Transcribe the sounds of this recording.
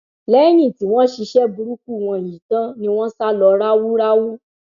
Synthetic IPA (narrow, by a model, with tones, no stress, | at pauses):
lɛ˦ñĩ˦˨ti˨˦w̃ɔ̃˦ʃi˧ʃɛ˦bu˧ɾu˦k̚u˦˨w̃ɔ̃˧˨ji˨tã˦nĩ˧˦w̃ɔ̃˦sa˦lɔ˧ɾa˦wu˦ɾa˦wu˦